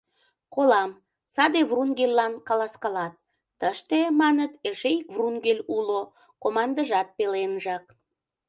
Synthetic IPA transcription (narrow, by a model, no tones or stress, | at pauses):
kolɑm | sɑd̪evrunɡelʲːɑnkɑlɑskɑlɑt̪̚ː | əʃt̪emɑnət̪eʃejkvrunɡelʲulo | komɑnd̪əʒɑt̪̚pelenʒɑk̚